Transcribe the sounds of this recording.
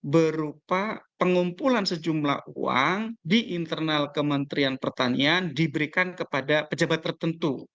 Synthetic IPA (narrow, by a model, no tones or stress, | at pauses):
bəɾupapəŋumpulansəd͡ʒumla̰hṵa̰ŋdiʔint̪ərnalkəmənt̪ɾianpərt̪aniandibəɾikankəpadapəd͡ʒabat̪ːərt̪ənt̪u